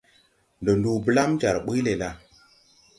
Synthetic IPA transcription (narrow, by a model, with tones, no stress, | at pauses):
ndo˨ndu˨bə˦la˦md͡ʒa˨ɾɓu˦le˨la˦